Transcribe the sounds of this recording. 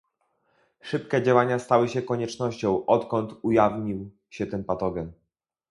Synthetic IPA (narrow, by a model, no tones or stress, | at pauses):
ʂɘpkɛd͡ʑawaɲast̪awɘɕɛkɔɲɛt͡ʂnɔɕt͡ɕɔ̃w̃ʔɔt̪kɔnt̪ujavɲiw | ɕɛt̪ɘmpat̪ɔɡʲɛm